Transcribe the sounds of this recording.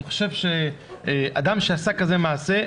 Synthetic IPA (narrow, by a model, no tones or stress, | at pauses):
χo̥ʃevʃe | a̰d̪amʃeasakazemaːse